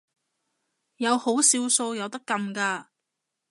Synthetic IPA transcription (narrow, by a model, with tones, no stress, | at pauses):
jɐ˨˧who˨˥wsiː˧wso˧wjɐ˨˧wt̪ɐ˥kːɐ˧mkaː˧